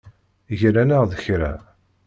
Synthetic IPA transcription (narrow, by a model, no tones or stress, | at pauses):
ʝɾænəʁðəçɾæ̰